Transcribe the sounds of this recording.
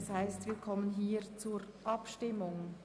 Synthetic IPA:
shaɪstviːkʰɔmənɦiːt͡suːɾʔɑpʃtɪmʊŋ

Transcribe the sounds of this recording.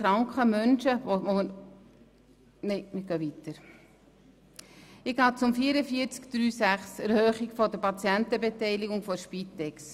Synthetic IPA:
ɾɑŋkχəmœnʃəoʋo | neɪmɪɡ̥œvit̪əɾ | ɪɡ̥ɑːt͡sʊmfiːəɾəfiːəɾt͡skd̪̥ɾyːsæχsɛɾhœːχɪɡfɔdəpɑt͡sjæntəbetɛɪliɡʊŋfɔɾʃpitːɛks

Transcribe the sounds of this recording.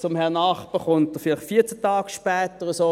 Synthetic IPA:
t͡sʊmhɛɐnɑːχpəχʊntəfɪlɪχfiːɐt͡sət̪ɑːɡ̥ʃpɛːt̪əʁəsoː

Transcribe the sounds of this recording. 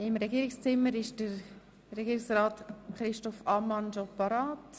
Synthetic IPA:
ɪmɾɛɡiːɾɪkst͡sɪmːəɾɪʃd̥əɾ | ɾɛɡiːɾɪksɾaːtχɾɪʃtɔfɑmɑnd͡ʒopɑɾaːt

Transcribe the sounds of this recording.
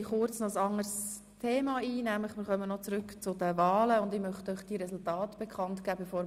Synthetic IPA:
χʊɾt͡snɔəsɑŋəɾs | tʰeːmɑːiːnæmləχmɪːɾχœmənɔt͡sɾʏkt͡sʊdəvɑːləʊndɪmœχtœʏχd̥iɾɛsʊltɑːtb̥ɛkʰɑntɡ̥æːbefoːɾ

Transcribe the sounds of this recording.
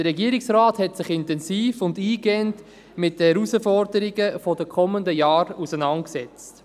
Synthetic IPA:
dəɾɛɡiəɾɪksraːthɛtsɪχɪntɛnsiːfʊndiːɡɛnt | mɪt̚d̥əhɛɾusəfɔɾdəɾiɡəfɔdəkʰɔməndəjɑːɾusənɑntksɛt͡st

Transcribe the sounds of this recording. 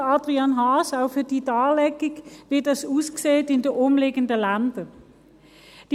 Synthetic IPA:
ɑːdʁianɦaːsaʊfyːɐd̥iːdaːlɛɡɪɡvidɑsuːskseːtɪndəʔʊmleːɡəndəlandə | d̥i

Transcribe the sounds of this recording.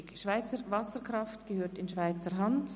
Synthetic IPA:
kʃv̥aɪt͡səɾvɑsəkʁɑftɡ̥əhøːɐtɪnʃv̥aɪt͡səɦɑnt

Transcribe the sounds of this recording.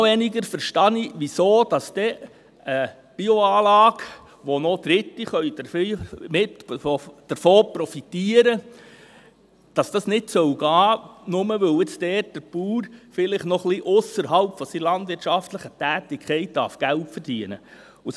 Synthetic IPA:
ʋɛniɡəɾfəɾʃtɑniʋisoːd̥ɑsd̥̪ɛ | ə | b̥iɔɑːlɑːɡ | ʋɔnɔd̪̥ɾɪt̪ːiχœʏdəfmɪtːd̥əɾfoːpɾɔfitiːəɾə | d̥ɑsd̥ɑsnɪtsœwɡɑːnʊməʋɵwɪt͡sdɛːt̚d̥əpuːɾfɪlɪχnɔχliʔʊsəɾɦɑlpfɔsilɑndʋɪɾtt͡ʃʃɑftləχətæːtɪkχɛɪt̚d̥ɑ̰ɾfɡ̥æltfəɾd̥iənə | us

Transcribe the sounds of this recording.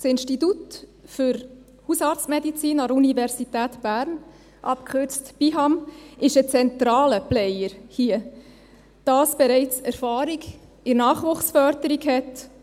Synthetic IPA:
sɪnʃtitutfʏɾ | husɑːɾt͡stmɛdit͡siːnɑdəunivɛɾsit̪æːtb̥æːɾn | ʔɑpkχøɾt͡stb̥iɦɑmɪʃət͡sɛnt̪ɾɑːləplɛɪəɾhiːə | d̥ɑːsb̥ɛɾɛɪt͡sɛɾfɑːɾiɡ | ɪnɑːχʋʊχsfœɾdəɾiɡhɛt

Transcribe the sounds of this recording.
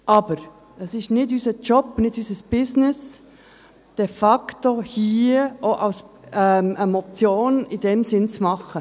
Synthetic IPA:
ʔɑːb̥əɾ | ɛsɪstnɪtyːsət͡ʃɔpnɪtyːsəsb̥ɪznɪs | d̥efɑktohiːʔoʔaʊs | ɛməmɔp̚t͡sjoːnɪdɛmzɪnt͡sumɑχə

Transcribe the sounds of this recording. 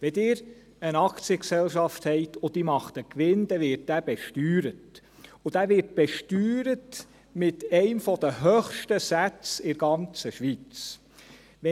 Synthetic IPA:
ʋɛd̪ɪːɾ | ənɑkt͡siəksɛlʃɑft̪hɛɪtʰɔd̥̪imɑχt̪əkʋɪnd̥̪ɛʋɪɾt̚ːæːb̥ɛʃtyːɾət | ʊd̥̪æːʋɪt̚b̥ɛʃtyːɾət | mɪtɛɪmfɔd̥̪əɦœχʃtəsæt͡sɪɾɡ̥ɑnt͡səʃʋit͡s | ʋɛ

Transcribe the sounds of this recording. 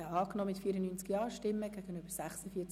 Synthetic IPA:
ɛɑːknɔːmɪtfiːɾənyːnt͡skjɑːʃtɪmːəɡ̥æɡ̥ənyb̥əɾsæχsəfiːət͡s

